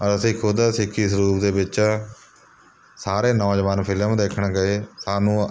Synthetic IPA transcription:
əɾəsĩːkʰʊd̪aːsɪkʰːiːsəɾuːpd̪eːbɪt͡ʃː | saːɾeːnɔːd͡ʒəʋaːnpʰɪləmd̪eːkʰɳɡəeːsaːnũː

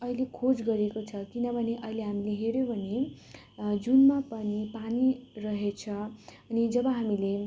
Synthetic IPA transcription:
ʌilekʰod͡zɡʌɾekot͡sʰʌkinʌbʱʌneʔʌileɦamileɦeɾjobʱʌne | d͡zunmapʌnipanirʌɦet͡sʰʌʌnid͡zʌbʌɦamile

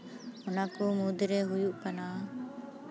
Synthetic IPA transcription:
ɔnakɔmud̪ɾɛɦujuʔpana

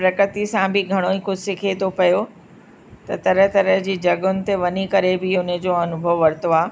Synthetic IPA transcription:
pɾɐkɾət̪isãbɪɡʱɐɽ̃oikʊd͡ʑʱsɪkʰet̪opɐjo | t̪ɐt̪ɐɾəɦt̪ɐɾəɦd͡ʑiːd͡ʑɐɠʊnɪ̆t̪eʋɐnikɐɾebɪʊnə̆d͡ʑoːɐnʊbʱəʋʋɐɾt̪oaː

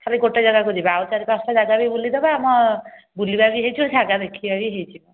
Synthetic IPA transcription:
k̪ʰaɾiɡoʈed͡ʒaɡakud͡ʒibawt͡ʃaɾikasad͡ʒaɡabejbulid̪ebaːmɔbulibabiɦejt͡ʃʰiɔd͡ʒʰʱaɡad̪ekʰibabiɦejt͡ʃʰibɔ

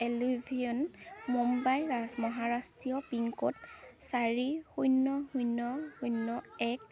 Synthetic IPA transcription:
elibʱiɔnmumbajɹasmɔɦaɹastɹiɔpiŋkɔtsaɹixujnːɔhujnɔhujnːɔɛk̚

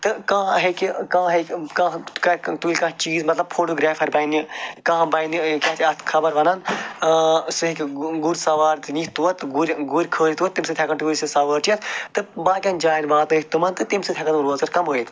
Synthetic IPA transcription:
t̪ɨkãːɦekikãːɦekkãkɐt̪ulʲkɐ̃t͡ʃiːzmɐt̪lɐbfʰoːʈoːɡɾaːfʰɐɾbɐinikɐ̃ːbɐjnikʲat̪ʰiɐt̪ʰkʰɐbɐɾʋɐnɐn | sɨɦikʲɡuɾsɐʋaːɾt̪ɨniht̪uɐt̪ːɨɡuɾʲɡuɾʲkʰəːɾʲit̪uɐt̪imsɨt̪ʰʲɐkɐnt̪uɾʲisɨsɐʋəːɾʈiɐt̪t̪ɨbãːkʲɐːnd͡ʒaːiɾbaːt̪ɨikt̪umɐnt̪ɨt̪imsɨt̪ʰjaːkɐnɾoːzɐɾkɐmɦoːit̪

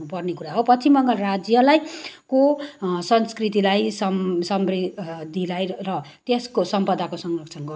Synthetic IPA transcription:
upʌrnekuɾaɦopʌt͡sʰimʌŋɡʌlrad͡zjʌlajkosʌnskrit̪ilajsʌmsʌmbrid̪ʱːilajrʌt̪eskosʌmpʌd̪akosʌŋrʌkʰt͡sʰʌnɡʌ

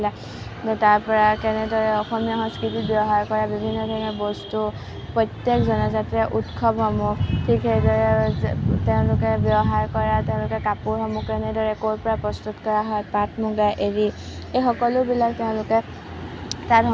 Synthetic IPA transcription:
la | taɹpɔɹakɛnɛdɔɹɛɔxɔmijaɦɔ̃nskitit̚bjɔbɦaɹkɔɹabibʱinːɔdʱɔɹinɔbɔstu | pɹɔjtjekzɔnɔzatɛʔutkʰɔbɦɔmʊtʰikejdɔɹɛ | teʊ̃lʊkɛbjɔɦaɹkɔɹatɛʊ̃lʊkɛkapʊɹɦɔmɔkɛnɛdɔɹɛkoɹpɔɹapɹɔstutkɔɹaɦɔjpatʰmuɡajʔeɹiejxɔkɔlʊbilak̚tɛʊ̃lʊkɛ | tatɦ

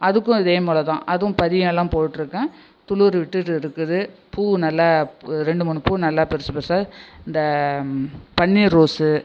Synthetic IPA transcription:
ɐðɯkːʊ̃ɪðeːmuːlɐt̪ã̰ːʔɐðʊ̃pɐðɪjɐ̃ɛlːãːpoːʈʈːɪɾɯkːɛ̃ | t̪ʊluːɾʋɪʈːɯʈːɪɾɯkːɯðɯpuːnɐlːaɾɛɳɖɯmʊːɳːɯpuːnɐlːapɛɾɯsɯpɛɾsaːɪnd̪ɐ | pɐɳːiːɾoːsɯ

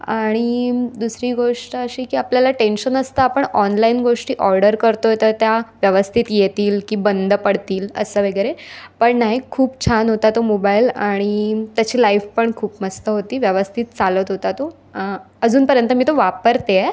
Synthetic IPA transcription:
aɽ̃id̪usɾiːɡoʂʈəəɕiːkiːapljalaʈenɕənəst̪aːpəɳɔnlainɡoʂʈiːʔɔɾɖəɾkəɾt̪oɦet̪ət̪jaʋjəʋəst̪ʰit̪jet̪iːlkiːbənd̪ʱəpəɽt̪iːlə̰səʋəɡɾepəɳnaɦikʰuːp̚t͡ɕʰanɦot̪at̪omobailaɽ̃it̪jat͡ɕiːlaifpəɳkʰuːpməst̪əɦot̪iːʋjəʋəst̪ʰiːt̪̚t͡salət̪ɦot̪at̪o | əd͡zuːnpəɾjənt̪əmiːt̪oʋapəɾt̪ee

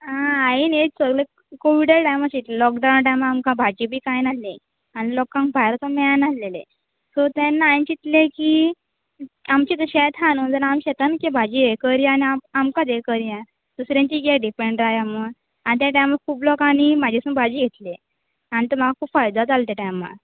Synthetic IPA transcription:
ãainet͡səɡle | koʋiɽəɾʈajmaɕit̪llɔkɖãw̃nʈajmamkãbʱad͡ʑibʱiːkajnalẽ | añilɔkãŋkbʱajɾət̪amɛanalelḛ | sɔt̪ɛnːaajɲt͡ɕit̪lekiː | amt͡ɕit̪əɕɛt̪ʰanũnt̪əɾamɕɛt̪ankebʱad͡ʑiekəɾjaaniaamkãd̪ekəɾjã | d̪̥usɾãɲt͡ɕiɡeɖipeɳɖɾaɦjamə | anit̪jaʈajmakʰuːplɔkanimad͡ʑʱesũbʱad͡ʑiːɡʱet̪le | anit̪əmaɡakʰuːpfajd̪at͡salt̪jaʈajma̰

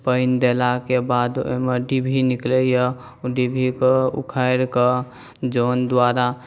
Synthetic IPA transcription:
pəɪnd̪elakebad̪o̰meɖibʱiniklejə | ɖibʱikeṵkʰəjɾke | d͡ʒond̪waɾa

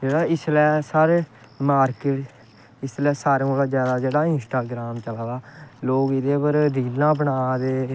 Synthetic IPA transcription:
d͡ʒeːɽaːɪslɛːsaːɾeː | maːɾkɪʈ | ɪslɛːsaːɾeolaːd͡ʒjaːd̪aːd͡ʒeːɽaːɪ̃nsʈaːɡɾaːmt͡ʃəlaːd̪aːloːɡɪd̪eːpəɾd̪iːlãːbəɳaːd̪eː

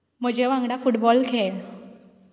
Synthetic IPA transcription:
m̤əd͡ʑeʋãŋɡɽafuʈbɔlkʰel

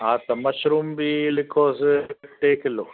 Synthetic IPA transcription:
aːt̪ɐmɐʃɾuːmbilɪkʰɔːzʈeːkɪlo

